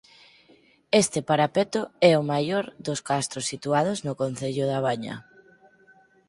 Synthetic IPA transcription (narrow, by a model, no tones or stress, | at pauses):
est̪ɪpaɾapet̪ʊɛʊmajɔɾðʊskast̪ɾʊsːit̪uað̞ʊznʊkon̟θeʎʊðaβaɲɐ̰